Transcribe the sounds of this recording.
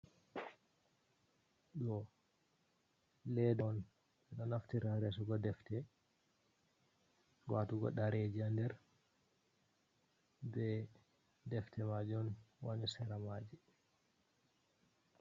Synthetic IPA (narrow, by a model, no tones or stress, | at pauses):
ɗɔ | lɛdɔɔn | ɓɛɗɔnaftiɾaɾɛs̬ɔɡɔdɛftɛ | watuɡɔ̰ɗaɾed͡ʒiandɛɾ | bɛ | dɛftɛmad͡ʒiɔnwanisɛɾamad͡ʒi